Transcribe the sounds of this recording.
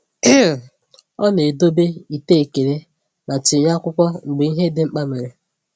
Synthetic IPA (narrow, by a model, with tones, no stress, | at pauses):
ɔ˦ne˨do˦be˦i˨te˦e˨ke˨ɾe˦ | na˨t͡ʃɪ˨ɲa˦kʷʊ˦kʷɔ˦ŋ͡m̩˨ɡ͡be˨˦i˦ɦe˦dɪ˦ŋ͡m̩˦k͡pa˦me˨ɾe˨